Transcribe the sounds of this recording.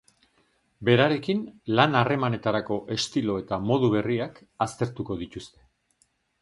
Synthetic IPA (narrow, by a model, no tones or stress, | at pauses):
be̞ɾaɾe̞kinlanare̞mane̞t̪aɾako̞ʔe̞st̪ilo̞e̞t̪amo̞ðuβ̞e̞riak | ast̪e̞ɾt̪uko̞ðit̪ust̪e̞̥